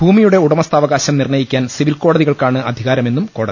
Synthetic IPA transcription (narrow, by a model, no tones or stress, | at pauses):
bʱuːmijuɽe̞uɽɐmɐst̪aːʋɐɣaːɕɐmnirɳɐjikʲːaːnsiʋilkoːɽɐðiɣɐɭkaːɳɨɐd̪ʱiɣaːɾɐme̞nːumko̞ːɽɐðii